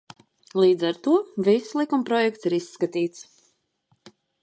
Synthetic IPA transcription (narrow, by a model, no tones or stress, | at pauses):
lˠiːd̪zaɾt̪uɔvisːlˠikumpɾɔjɛkt̪siɾisːkat̪iːt̪s